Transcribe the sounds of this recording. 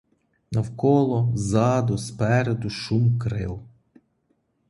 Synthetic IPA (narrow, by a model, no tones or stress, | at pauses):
nɐwkɔlˠɔzɑd̪ʊspɛɾed̪ʊʃumkɾɪ̰w